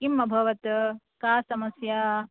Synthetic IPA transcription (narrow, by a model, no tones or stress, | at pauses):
kimːɐbʱɐʋɐt̪ | kaːsɐmɐsjaː